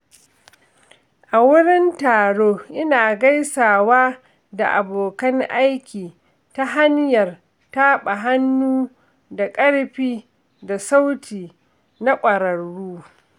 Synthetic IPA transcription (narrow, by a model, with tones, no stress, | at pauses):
ʔa˨wʊ˦ɽɪ˦ntaː˨ɽoː˦ʔɪ˦naː˨ɡɐ˦jsaː˨waː˦ | da˨ʔa˨boː˨kɐ˦ŋʔa˦jkʲiː˨ | ta˦ɦa˦ɲjɐ˨r | ta˦ɓa˨ɦa˦nːuː˦ | da˨kʼɐ˦ɽɸiː˦ | da˨sa˦wtʰiː˨ | na˦kʷʼɐ˨ɾɐ˨ɽːuː˦